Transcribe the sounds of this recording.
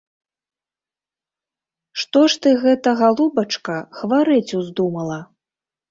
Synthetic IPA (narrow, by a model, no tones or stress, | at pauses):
ʂt̪ɔʂt̪ɨɣɛt̪ɐɣalˠubɐt͡ʂkɐxvaɾɨt͡sʲuzd̪umɐlˠɐ